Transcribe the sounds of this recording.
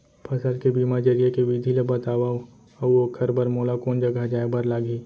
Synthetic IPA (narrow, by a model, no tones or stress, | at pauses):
pʰɐsəlkebiːmad͡ʒɐɾijekeʋid̪ʱilebɐt̪aːʋa | uokʰɐɾbɐɾmoːlakoːnd͡ʒɐɡʱad͡ʒaːebɐɾlaːɡʱi